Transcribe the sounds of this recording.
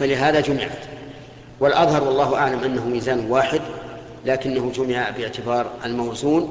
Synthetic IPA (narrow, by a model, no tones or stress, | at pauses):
falɪɦaːðad͡ʒʊmɪʕa̰t̪ | wɪlʔɑðˤhɑɾˤwɑlˤːɑːɦʊʔaʕlamʔanːaɦʊmiːzaːnwaːħɪd̪ | laːkɪnːaɦʊd͡ʒʊmɪʕabɪʕt̪ɪbɑːɾˤalmawzuːn